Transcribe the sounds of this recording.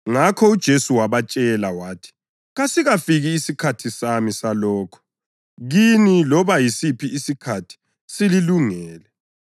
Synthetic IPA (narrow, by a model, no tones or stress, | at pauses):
ŋakʰɔud̥ʒ̥ʱesuwaβat͡ʃʼɛlawaːtʰi̥ | ɣasiɣafiɣiːsikʰatʰisamisalɔːkʰɔ̥ | ɣinilɔβajisipʰiʔisikʰatʰi̥ | sililuŋɛːlɛ